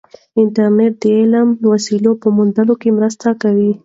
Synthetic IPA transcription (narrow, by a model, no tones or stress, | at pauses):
ɪnʈaɾneʈ̚d̪əelamwasilopəmʊnd̪əlokemɾəst̪akawi